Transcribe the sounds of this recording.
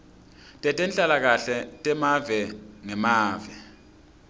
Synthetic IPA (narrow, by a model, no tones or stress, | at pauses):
tʼɛtʼɛnt͡ɬʼalak̬aɬɛtʼɛmavɛŋɛmaːvɛ